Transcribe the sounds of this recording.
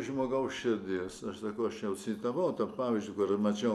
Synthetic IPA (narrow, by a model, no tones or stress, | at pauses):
ʒmoːɡɐʊsʃʲɛd̪ʲiːsɐʃsɐkɐʊɐʃt͡ʃʲɛʊsʲiːt̪ɐʋɐʊt̪ɐppɑːʋʲizʲd͡ʒʲʊkʊrmɐt͡ʃʲɛʊ